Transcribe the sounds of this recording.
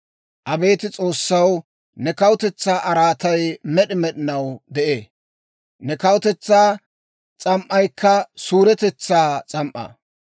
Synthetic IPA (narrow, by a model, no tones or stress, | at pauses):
ʔɐbe̞ːt̪ɪt͡sʼo̞ːsːɐw | nɛkɐwʊt̪ɛt͡sːaːʔɐɾaːt̪ɐjmɛɗɪmɛɗɪnɐwd̪ɛʔeː | nɛkɐwʊt̪ɛt͡sːaː | t͡sʼɐmʔːɐjkʰːɐsuːɾɛt̪ɛt͡sːaːt͡sʼɐmʔɐ̰